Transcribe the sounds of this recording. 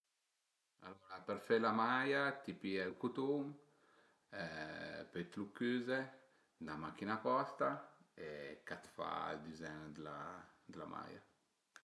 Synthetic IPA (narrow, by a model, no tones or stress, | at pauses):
aloːɾapəɾfelamajat̪ipiɛlkut̪um | ɛpet̪lukːyːze | namak̟ːinapɔst̪aekat̪fa̰ld̪izɛnd̪əla̰d̪əlama̰ja̰